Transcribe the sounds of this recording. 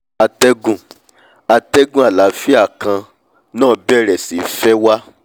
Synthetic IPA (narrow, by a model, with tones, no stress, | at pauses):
a˧tɛ˦ɡũ˧˨ | a˧tɛ˦ɡũ˦a˨la˨˦fi˦a˦˨kã˧ | nãː˦bɛ˦ɾɛ˨si˨˦fɛ˦wa˦